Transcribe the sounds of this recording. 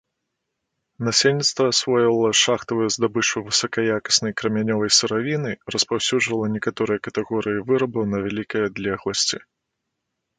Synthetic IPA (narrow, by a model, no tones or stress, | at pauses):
nasʲelʲnʲit̪st̪vɐːsvɔjɐlˠɐʂaxt̪ɐvɨjɛzd̪abɨt͡ʂuvɨsɐkɐjakɐ̥snɐjkɾɐmʲanʲɔvɐjsɨɾavʲinɨrɐspawsʲuʐvɐlˠɐnʲɛkat̪ɔɾɨjɐkɐt̪ɛɣɔɾɨjivɨɾɐbɐwnɐvʲalʲikɐjɐad̪lʲɛɣlˠɐsʲt͡sʲi